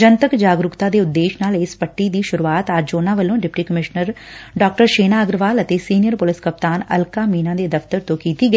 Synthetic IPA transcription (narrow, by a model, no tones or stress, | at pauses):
d͡ʒənt̪əkd͡ʒaːɡɾʊkt̪ad̪eːʊd̪ːeːʃnaːlespəʈːid̪iːʃʊɾuaːt̪aːd͡ʒd͡ʒoːnãʋəlõːɖɪpʈiːkəmɪʃnəɾ | ɖaːk̚ʈəɾʃeːnaːəɡɾʋaːlət̪esiːnɪjəɾpʊlɪskəp̚t̪aːnɐ̰lkaːmiːnãːd̪eːd̪ɐft̪əɾt̪õkiːt̪iɡ